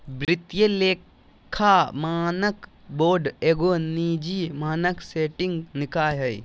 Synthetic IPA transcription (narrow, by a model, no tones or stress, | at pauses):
bɾɪt̪jəleːkʰː | amaːnək | boːɾɖeːɡonid͡ʒimaːnəkseːʈɪ̃ŋɡnɪkaːjɦɐj